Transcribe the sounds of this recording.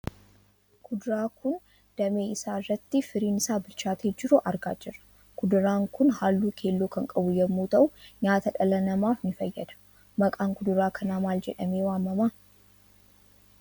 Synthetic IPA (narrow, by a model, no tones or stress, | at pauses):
kʰʊd̪ʊɾaːkʊn | d̪̥ɐme̞ːɪsaːɪrːɐt̪ːɪfɪɾiːnɪsaːbɪlt͡ʃaːt̪ʰeːd͡ʒɪɾʊʔɐɾɡaːd͡ʒɪrːɐ̥ | kʊd̪ʊɾaːŋkʊnhaːlːuːkʰe̞ːlːoːkɐŋkʼɐbʊjɐmːuːt̪ɐʔʊɲaːt̪ɐᶑɐlɐnɐmaːfnɪfɐjːɐd̪ɐ̥ | mɐkʼaːŋkʊd̪ʊɾaːkʰɐnaːmaːld͡ʒɛ̰ᶑɐmeːwaːmːɐmaː